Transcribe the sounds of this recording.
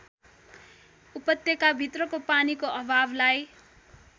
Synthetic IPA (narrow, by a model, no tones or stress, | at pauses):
upʌt̪jʌkabʱit̪rʌkopanikoʔʌbʱablaj